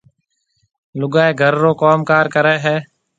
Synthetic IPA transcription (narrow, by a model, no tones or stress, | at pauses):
lʊɡaːeːɡʱəɾːoːkoːmkaːɾkəɾɛːɦɛː